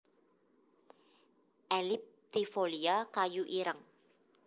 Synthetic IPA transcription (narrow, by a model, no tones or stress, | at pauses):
ʔɛlip̚t̪ifoliakajuʔiɾəŋ